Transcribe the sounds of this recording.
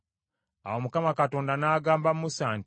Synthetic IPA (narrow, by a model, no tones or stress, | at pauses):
a̰womukamakato̞ːndanaːɡaːmbamusaːnt